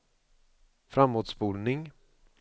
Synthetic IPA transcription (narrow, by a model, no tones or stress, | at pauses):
fɾamːoːd̪sbuːlnɪŋ